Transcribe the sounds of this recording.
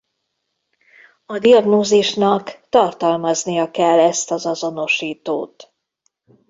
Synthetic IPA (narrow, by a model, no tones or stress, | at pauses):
ɒd̪iɒɡnoːziʃnɒkt̪ɒrt̪ɒlmɒznijɒkɛlːɛst̪ɒzɒzo̞no̞ʃiːt̪o̰ːt̪